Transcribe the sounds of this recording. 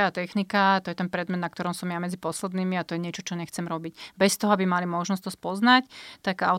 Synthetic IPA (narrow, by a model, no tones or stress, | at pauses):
at̪ɛxnikat̪ɔjɛt̪ɛnpɾɛd̪mɛd̪nak̚t̪ɔɾɔmsɔmjamɛd͡zipɔslɛd̪niːmiat̪ɔjɛɲɪɛt͡ʃɔt͡ʃɔɲɛxt͡sɛmɾɔbicbɛst̪ɔɦɔabimalimɔʒnɔst̪ɔspɔznact̪aɡa̰ʊ